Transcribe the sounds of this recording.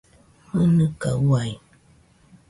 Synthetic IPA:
mənɨkawaj

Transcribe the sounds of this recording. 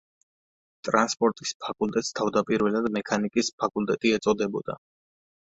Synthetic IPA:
t̪ʼɾanspʼɔɾt̪ʼispʰakʼulˠt̪ʼɛt̪st̪ʰavd̪apʼiɾvɛlˠad̪mɛkʰanikʼispʰakʼulˠt̪ʼɛt̪ʼiɛt̪sʼɔd̪ɛbɔd̪a̰

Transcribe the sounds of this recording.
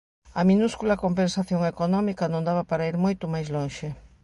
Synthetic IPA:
ɐminuskulɐkompẽnsaθjoŋekonɔmikɐnõnd̪aβɐpaɾaiɾmojt̪ʊmajzloŋʃe

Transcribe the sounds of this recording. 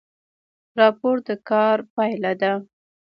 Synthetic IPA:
ɾɑpoɾd̪əkɑɾpajlad̪a

